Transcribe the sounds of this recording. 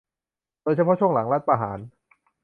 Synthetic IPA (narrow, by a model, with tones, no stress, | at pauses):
d̪o˧jt͡ɕʰa˧˥pʰɔ˥t͡ɕʰu˥˩əŋla˩˦ŋla˦˥t̪̚paː˧ɦa̰ː˩˦n